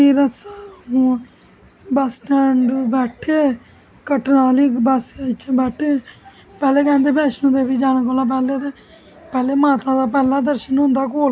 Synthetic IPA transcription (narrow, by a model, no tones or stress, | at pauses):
iːɾəsaɦũː | bəsʈəɳɖbɛːʈʰeː | kəʈnaːliːbəst͡ʃʰːbɛːʈʰeː | pɛːleːkɛ̃ːnd̪eːpɛːʃnũːd̪eːbiːd͡ʒaːnakoːlaːp̬ɛːleːt̪eː | pɛːleːmaːt̪ãːd̪aːp̬ɛːlãːd̪əɾʃənʊ̃nd̪aːkoːl